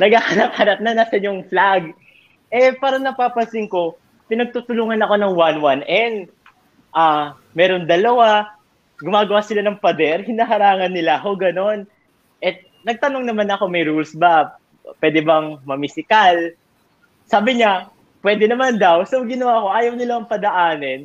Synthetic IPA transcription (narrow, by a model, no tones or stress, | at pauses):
nɐɡ̚ahɐnɐp̚hɐnɐp̚nɐnaːsɐnjʊŋflaɡ̚ | ʔɛpaːɾɐnɐpaːpɐsɪŋko̞ | pɪnɐɡ̚t̪uːt̪ʊluːŋɐnɐko̞nɐŋwanwanʔɛn | ʔa | mɛːɾo̞nd̪ɐlɐwa | ɡʊmaːɡɐwasɪlanɐŋpɐd̪ɛɾhɪnaːɦɐɾaːŋɐnːɪlako̞ɡɐno̞n | ʔɛ | nɐɡ̚t̪ɐno̞ŋnɐmanɐko̞mɐjɾulsba | pwɛːd̪ɛbɐŋmɐmɪsɪkal | saːbɪɲa | pwɛːd̪ɛnɐmand̪ɐwsowɡɪnɐwaːko̞ʔaːjɐwnɪlaɐŋpɐd̪ɐʔaːnɛn